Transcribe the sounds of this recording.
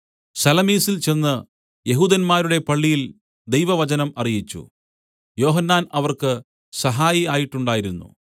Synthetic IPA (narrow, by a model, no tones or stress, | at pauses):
sɐlɐmiːsilt͡ɕe̞nːɨ | je̞ɦuːd̪ɐnmaːɾuɽe̞pɐɭːijil | d̪e̞jʋɐʋɐt͡ɕɐnɐmɐrijit͡ɕːṵ | jo̞ːɦɐnːaːnɐʋɐrkɨ | sɐɦaːjiaːjiʈːuɳɖaːjiɾunːṵ